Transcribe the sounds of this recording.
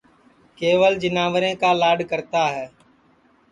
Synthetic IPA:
keːʋəld͡ʒɪnaːʋəɾẽːkaːlaːɖkəɾt̪aːɦɛː

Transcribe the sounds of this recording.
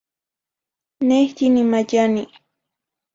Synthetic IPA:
nehtinimaʎani

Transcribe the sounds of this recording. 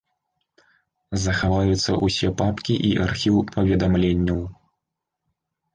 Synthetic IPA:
zɐxavajut̪sːɐ̰ʔusʲɛpapkʲiʔiʔarxʲiwpɐvʲɛd̪amlʲenʲːɐw

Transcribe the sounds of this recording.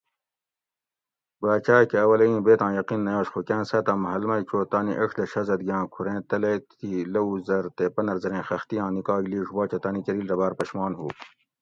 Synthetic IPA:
baːt͡ʃaːkeɐwɐlɐĩːbeːt̪ãːjɐqinːɐjaːɕxokæ̃ːnsɐt̪ãːmɐɦɐlmɐjt͡ʃoːt̪aːniʔɐʂd̪ɐɕɐzɐd̪ɡãːkʰuɾẽːt̪ɐlet̪ilɐuzɐɾt̪epɐnɐɾzɐɾẽːxɐxt̪ijãːnikɑːɡliːʂbɑːt͡ɕɐt̪ɐːnikɐɾiːlɾɐbaːɾpɐɕmɑːnhuː

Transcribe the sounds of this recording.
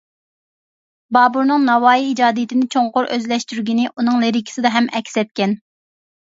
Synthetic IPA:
bɑːbuɾnɨŋnɑwɑːjiːd͡ʒɑːd̪ijit̪ʰɪnɪt͡ʃʰoŋqʊɾʔøzlɛʃt̪yɾɡʲinɪʔunɨŋleɾɪkʲʰi̥sɪd̪ɑɦɛmʔɛkʲsɛt̪̚kʲɛn

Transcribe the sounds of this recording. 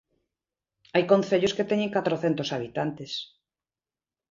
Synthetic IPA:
ajkõn̟θeʎosket̪ɛɲẽŋkat̪ɾoθent̪osaβit̪ant̪es

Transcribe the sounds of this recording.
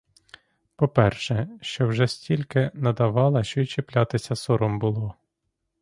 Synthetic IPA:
pɔpɛrʃɛʃt͡ʃɔwʒɛsʲtʲilʲkɪnɐd̪ɐʋɑlˠɐʃt͡ʃɔjt͡ʃeplʲat̪ɪsʲɐsɔɾɔmbʊlˠɔ

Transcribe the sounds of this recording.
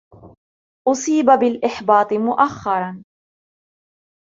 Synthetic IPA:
ʔʊsˤiːbabɪlʔɪħbɑːt̪ˤɨmʊʔaxːɑɾˤɑn

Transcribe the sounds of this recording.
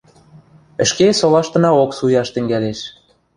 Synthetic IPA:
ə̆ʃkesolɑʃt̪ɤ̆nɑoksujɑʃt̪ɘ̆ŋɡæleʃ

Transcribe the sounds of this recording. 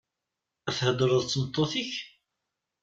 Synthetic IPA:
æθhəd̪əɾˤəðˤt͡sːəmət̪ˤːoθiç

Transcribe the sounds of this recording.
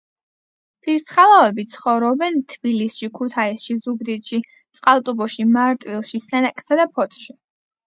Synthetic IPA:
pʰiɾt̪sχalˠavɛbit̪sʰχɔvɾɔbɛnt̪ʰbilisʃikʰut̪ʰaisʃizuɡd̪it̪ʼʃi | t̪sʼqʼalˠt̪ʼubɔʃimaɾt̪ʼwilˠʃisɛnakʼsad̪apʰɔt̪ʰʃi

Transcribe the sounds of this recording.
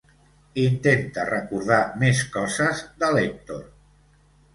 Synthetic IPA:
int̪ent̪ərəkuɾð̞ameskɔzəzd̪əlek̚t̪oɾ

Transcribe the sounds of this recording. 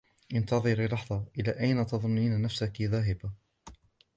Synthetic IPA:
ʔɪnt̪ɑðˤɨɾiːlɑħðˤɑʔɪlaːʔajnat̪ɑðˤʊnːiːnanafsakɪðaːɦɪba

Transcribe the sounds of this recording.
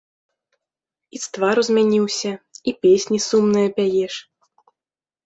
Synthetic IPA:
it̪st̪vaɾuzʲmʲanʲiwsʲɐipʲesʲnʲisumnɨjɐpʲajɛʂ

